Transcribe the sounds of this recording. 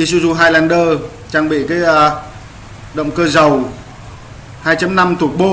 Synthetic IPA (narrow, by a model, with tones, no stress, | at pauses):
i˧˩su˧zu˧˩ɦaː˧jlaː˧˩nɗəː˧˩ | t͡ɕaː˧ŋɓḭ˧˨kaː˨˦jə˧ | ɗə̰˧˨wŋ͡mkəː˧zə˨˩w | haː˧jt͡ɕa˧˩mna˧mt̪ʰu˨˩k̚ɓo˧˩